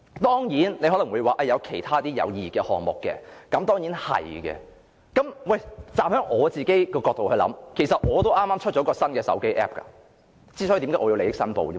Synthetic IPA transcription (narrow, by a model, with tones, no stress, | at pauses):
t̪ɔː˥ŋjiː˨˥nle˨˧jɦɔ˨˥lɐ˨˩wuː˨˧jwaː˨˩ʔɐ˨˩jɐ˨˧wkʰe˨˩jt̪ʰaː˥t̪iː˥jɐ̰˨˧wjiː˨kɛː˧hɔ̰ː˨ŋmʊ̰˨kːɛ̰ː˧kɐ˨˦mt̪ɔː˥ŋjiː˨˥nhɐ̰˨˩jkɛ̰ː˧ | kɐ˨˥mwɐ˥˨jt͡saː˧mhœː˨˥ŋʔɔː˨˧t͡siː˨ke˥jkɔː˧kɔː˧k̚t̪o˨whɵ˧lɐ̰˨˥mkʰe˨˩jsɐ˨t̚ŋɔː˨˧t̪o˥wʔaː˥mːaː˥mt͡ʃʰt̚t͡ʃɔ˨˥kɔː˧sɐ˥nkɛː˧sɐ̰˨˥wke˥jʔɛ̰ː˥p̚kɐ̰˧ | t͡siː˥sɔ˨˥jt̪i˨˥ŋaː˧˥ɔː˨˧i˧le˨˧jɪ˥k̚sɐ˥npo̰˨˧wi˥m